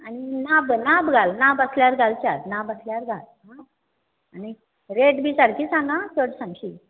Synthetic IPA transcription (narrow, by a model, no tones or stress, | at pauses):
añinabnabɡʱalnabəsljaɾɡʱalt͡ɕaɾnabasljaɾɡʱal | ɦã | ani | ɾeʈbʱiːsaɽkiːt͡sanatəɽsãŋɕiː